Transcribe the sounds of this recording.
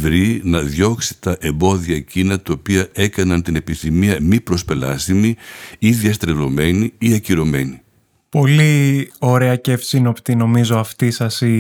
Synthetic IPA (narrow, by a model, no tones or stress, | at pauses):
vɾinɐðjo̞ksi̥t̪ɐʔe̞mbo̞ðiɐcinɐt̪ɐopiɐe̞kɐnɐnt̪ine̞piθimiɐmipɾo̞spe̞lɐ̰st̪imiiðiɐst̪ɾelo̞me̞niiɐciɾo̞me̞̰ni | po̞lio̞ɾe̞ɐce̞fsinopt̪ino̞mizoɐft̪isɐsi